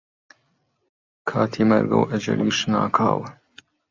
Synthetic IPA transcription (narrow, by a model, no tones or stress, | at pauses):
kʰaːt̪ʰiːmɐɾɡɐwʔɐd͡ʒɐ̰liːʃnaːkʰaːw